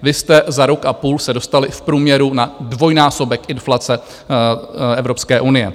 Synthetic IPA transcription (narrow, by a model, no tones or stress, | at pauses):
vɪst̪ɛzaɾo̞kʔapuːlsɛdo̞st̪alɪfpɾuːmɲɛɾunadvo̞jnaːso̞bɛkʔɪnflat͡sɛ | ɛvɾo̞pskɛːʔunɪjɛ̰